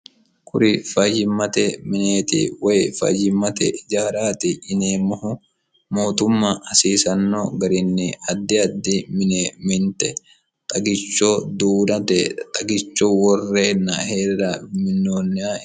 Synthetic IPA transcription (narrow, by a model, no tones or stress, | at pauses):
kʰʊ̰ɾɪfɐjɪmːɐt̪ɛmɪneːt̪ɪ̰wɐjfɐ̰jɪmːɐt̪ɛ̰d͡ʒaːɾaːt̪ɪʔɪneːmːɐhʊ | mo̞ːt̪ʊmːaːhɐsiːsɐnːoːɡɐɾɪnːɛɐd̪ːɪɐd̪ːɪmɪneːmɪnt̪ɛ | t̪ʼɐɡɪt͡ʃːoːd̪uːnɐt̪ɛt̪ʼɐɡɪt͡ʃːoːwɔrːeːnːɐheːrːamɪnːo̞ːnːɪaː